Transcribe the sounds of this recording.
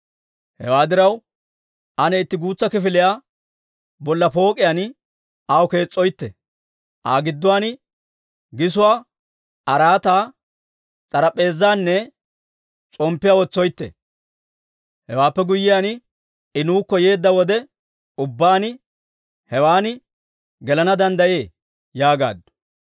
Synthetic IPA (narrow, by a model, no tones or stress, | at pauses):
hɛ̰waːd̪ɪɾɐw | ʔɐnɛɪt̪ːɪɡuːt͡sːɐkɪfɪlɪjaː | bɔlːɐpo̞ːkʼɪjaːn | ʔɐwke̞ːt͡sʼːɔjt̪ːɛ̰ | ʔaːɡɪd̪ːʊwaːnɪ | ɡɪsʊwaː | ɐɾaːt̪aː | t͡sʼɐɾɐpʼe̞ːzːaːnːɛ | t͡sʼɔmpːɪjaːwɔt͡sːɔjt̪ːɛ̰ | hɛwaːpːɛɡʊjːɪjaːnɪ | ɪnuːkːɔje̞ːd̪ːɐwɔd̪ɛ | ʊbːaːnɪ | hɛwaːnɪ | ɡɛlɐnɐd̪ɐnd̪ɐje̞ː | jaːɡa̰ːd̪ːʊ̥